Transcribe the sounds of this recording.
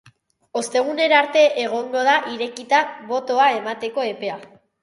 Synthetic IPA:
o̞st̪e̞ɣ̞une̞ɾaɾt̪e̞ʔeɣ̞o̞ŋɡo̞ð̞aʔiɾe̞kit̪aβo̞t̪o̞ae̞mat̪e̞ko̞e̞pe̞a

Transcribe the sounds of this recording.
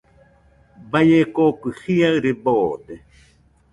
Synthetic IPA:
bajekokɨhiaɨɾeboːd̪e

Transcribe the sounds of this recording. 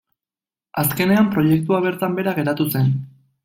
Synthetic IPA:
aske̞ne̞ampɾo̞je̞k̚t̪uaβ̞e̞ɾt̪ambe̞ɾaɣe̞ɾat̪use̞n

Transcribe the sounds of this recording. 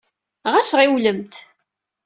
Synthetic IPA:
ʁæsʁiwləmt̪

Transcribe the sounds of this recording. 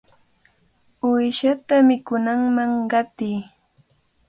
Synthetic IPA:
ʊjʃat̪amɪkʊnaŋmaŋɢɑt̪iː

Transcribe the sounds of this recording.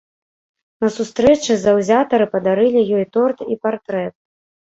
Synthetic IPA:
nɐsust̪ɾɛt͡ʂɨzɐwzʲat̪ɐɾɨpɐd̪aɾɨlʲijɔjt̪ɔrt̪ipart̪ɾɛt̪̚

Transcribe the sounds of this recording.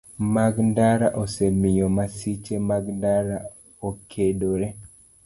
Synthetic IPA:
maɡndaɾaʔoselmɪjɔmasit͡ʃemaɡndaɾa | okʰedoɾe

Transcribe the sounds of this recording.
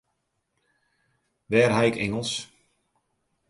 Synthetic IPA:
ʋɛːrɦaɪkɛŋəlˠs

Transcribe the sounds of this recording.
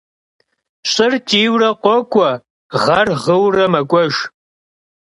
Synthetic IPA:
ɕʼɪrtʰʼiːwrɐqʷʼɔkʷʰʼɔ | ʁɐrʁəwrɐmɐkʷʼɔʒ

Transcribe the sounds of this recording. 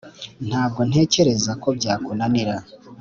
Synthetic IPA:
n̥haːb̚ɡo̞n̥he̞ːce̞ɾe̞zako̞bɟaːkunaniɾa

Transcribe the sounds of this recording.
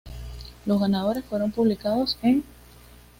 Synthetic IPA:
lozɣanað̞o̞ɾe̞sfwe̞ɾo̞mpuβlikaðo̞se̞ŋ

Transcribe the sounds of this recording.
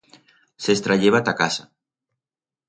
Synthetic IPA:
sest̪ɾaʎeβat̪akasa

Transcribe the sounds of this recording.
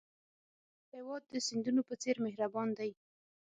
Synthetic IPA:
hewɑd̪̚ːəsɪnd̪unopət͡seɾmɪɦɾabɑnd̪aj

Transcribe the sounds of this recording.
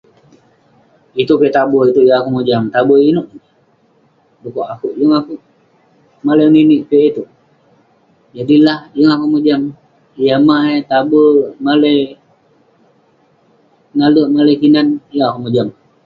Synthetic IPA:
it̪ukeʔt̪aboit̪uʔjaŋakuʔmud͡ʒamt̪aboinuʔ | dukoʔakuʔjuŋakuʔ | maleniniʔpeʔit̪u | d͡ʒadilahjəŋakuʔmud͡ʒam | jamaʔet̪abumalej | naluʔmalekinanjəŋakuʔmod͡ʒam

